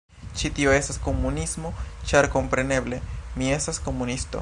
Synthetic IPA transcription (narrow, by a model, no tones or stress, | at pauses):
t͡ʃitio̞e̞stasko̞munismo̞t͡ʃaɾko̞mpɾe̞ne̞ble̞mie̞stasko̞munisto̰